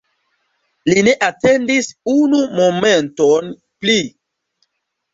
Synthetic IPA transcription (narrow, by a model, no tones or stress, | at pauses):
line̞ʔate̞ndisunumomenton | pli